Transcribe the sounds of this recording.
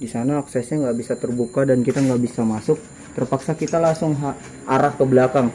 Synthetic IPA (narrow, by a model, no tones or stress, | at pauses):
disanaːksɛsɲaŋɡaʔbisat̪ərbukadankit̪aŋɡaʔbisamasʊk̚ | t̪ərpaksakit̪alaŋsʊŋɦa | ʔaɾahpəbəlakaŋ